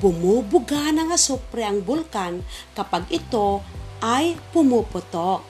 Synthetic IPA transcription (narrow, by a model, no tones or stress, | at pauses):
pumubuɡanaŋasupɾiaŋbulkankapaɡit̪oʔajpumupɔt̪ɔʔ